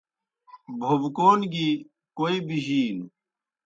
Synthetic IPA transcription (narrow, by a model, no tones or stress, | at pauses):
bʱobkoːnɡi | koːibiʑiːn